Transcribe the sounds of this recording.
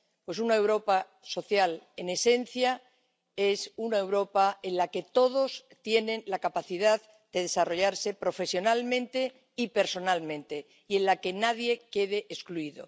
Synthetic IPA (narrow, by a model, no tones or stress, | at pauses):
pwe̞s̬unaewɾo̞pa | so̞θjale̞ne̞se̞n̟θja | e̞sunae̞wɾo̞pae̞nlake̞t̪o̞ð̞o̞st̪je̞nẽ̞nlakapaθiðað | d̪̥e̞ðe̞saro̞ʎaɾse̞pɾo̞fe̞sjo̞nalmẽ̞nt̪e̞ | ipe̞ɾso̞nalmẽ̞nt̪e̞ | ie̞nlake̞naðje̞ke̞ðe̞ʔeskluiðo̞̰